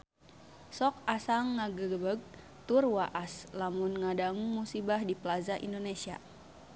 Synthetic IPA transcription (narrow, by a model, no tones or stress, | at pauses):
sɔk̚asaŋːaɡəɡəbəɡ̚ | t̪urwaʔaslamunŋadaŋuŋmusibahdiplazaʔḭndonesia̰